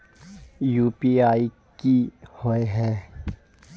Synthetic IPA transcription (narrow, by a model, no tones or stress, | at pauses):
juːpiaːi | kihoeɦɛː